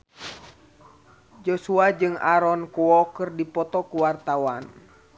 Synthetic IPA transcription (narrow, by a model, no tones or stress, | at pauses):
d͡ʒɔsuad͡ʒɨŋaɾɔnkuɔkɨrdipɔt̪ɔkuwart̪awan